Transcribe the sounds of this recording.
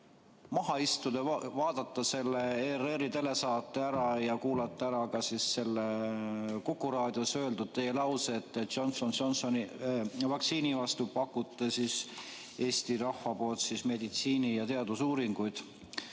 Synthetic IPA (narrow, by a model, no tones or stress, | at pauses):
mɑɦɑist̪ud̪̥evɑːd̪̥ɑt̪ːˑɑse̞lːeereɾit̪e̞le̞sɑːt̪ːˑeæɾɑjɑkuːlɑt̪ːˑeæɾɑkɑsisːe̞lːe | kukːuɾɑːd̪̥josøe̞ld̪ud̪̥̚t̪e̞jelɑwseːt̪ːeʒonsonʃonsonivɑkt̪siːnivɑst̪upɑkːˑut̪ːˑesis | e̞ːst̪iɾɑhfɑpo̞ːlt̪sisme̞d̪it̪siːnijɑt̪e̞ɑd̪̥usuːɾiŋɡ̥ujd̪̥